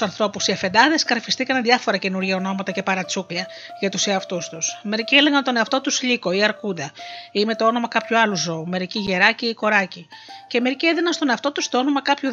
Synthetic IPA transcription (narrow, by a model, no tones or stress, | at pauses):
sɐnθɾo̞pusiɐfe̞nd̪ɐðe̞skɐɾfist̪ikɐnðʝɐfo̞ɾɐce̞nuɾʝɐo̞no̞mɐt̪ɐce̞pɐɾɐt͡suklɐ | ʝɐt̪useɐft̪ust̪usme̞ɾiciele̞ɣɐnt̪o̞neɐft̪o̞t̪usʎiko̞iɐɾkund̪ɐime̞t̪o̞o̞no̞mɐkɐpçuɐluzo̞ume̞ɾiciʝe̞ɾɐciːko̞ɾɐciceme̞ɾicieðinɐnst̪o̞neɐft̪o̞t̪ust̪o̞o̞no̞mɐkɐpçu